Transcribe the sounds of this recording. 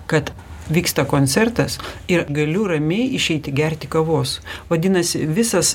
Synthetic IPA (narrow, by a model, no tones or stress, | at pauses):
kɐt̪ | ʋʲiːkst̪ɐkoːnʲt̪sʲɛɾt̪ɐsɪɾɡɐlʲʊɾɐmʲɛɪɪʃʲɛɪt̪ʲɪɡʲɛɾʲt̪ʲɪkɐʋoːsʋɐd̪ʲɪnɐsʲɪʋʲɪsɐs